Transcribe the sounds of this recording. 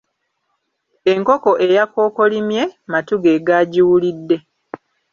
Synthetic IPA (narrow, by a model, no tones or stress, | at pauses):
e̞ŋko̞ko̞ʔe̞jako̞ːko̞limje̞matuɡeːɡaːɟiwulidːe̞